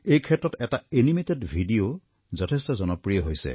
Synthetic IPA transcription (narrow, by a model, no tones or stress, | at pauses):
ejkʰɛtɹɔtɛtaenimetedbʱidio | zɔtʰestɔzɔnɔpɹijɔɦojsḛ